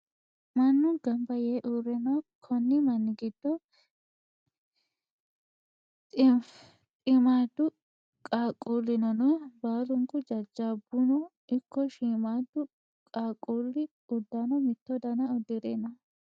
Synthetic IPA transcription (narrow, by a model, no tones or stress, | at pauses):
mɐnːʊɡɐmbɐjeːʔuːɾɛnɐkʰɔnːɪmɐnːɪɡɪd̪̥ːɔ | t̪ʼɪmaːd̪ːʊ | kʼaːkʼːuːlːɪnɐnɔbaːlʊŋkʼʊd͡ʒɐd͡ʒːaːbʊnɔ | ɪkːɔʃiːmaːd̪ʊ | kʼaːkʼːoːlːɪ | ʊd̪ːanɔmɪt̪ːɔd̪ɐnɐʊd̪ːɪɾeːnɐ